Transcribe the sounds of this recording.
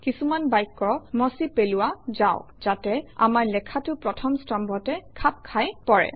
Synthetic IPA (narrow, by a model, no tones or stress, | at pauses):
kisumanbajkːɔmɔsipelʊwazaʊ̃ | z̥atɛa̰maɹlɛkʰatʊpɹɔtʰɔmstɔmbʱɔtɛkʰap̚kʰajpɔɹɛ̰